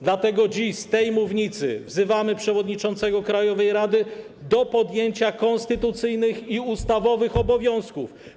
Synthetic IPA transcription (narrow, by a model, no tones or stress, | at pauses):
d̪lat̪ɛɡɔd͡ʑiʃst̪ɛjmuvɲit̪sɘ̰vzɘvamɘpʂɛvɔd̪ɲit͡ʂɔnt̪sɛɡɔkɾajɔvɛjɾad̪ɘ | d̪ɔpɔd̪jeɲt͡ɕakɔnst̪ɘt̪ut̪sɘjnɘxiust̪avɔvɘxɔbɔvʲjɔ̃w̃skuf